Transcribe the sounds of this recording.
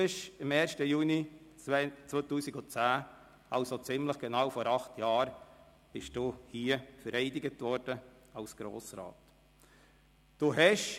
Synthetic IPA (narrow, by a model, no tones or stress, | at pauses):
ɪʃɪmɛːɾʃtəjuːni | t͡sʋotuːsɪɡʊt͡sæː | ɑʊsot͡sɪmləχɡ̥enɑwfɔɾɑχtʰjɑːɾ | b̥ɪʃd̥uhiəfəɾɛɪdɪɡətʋɔɾd̥ə | ɑʊsɡ̥ɾo̰ːsɾɑ̰ːt | d̥uɦɛʃ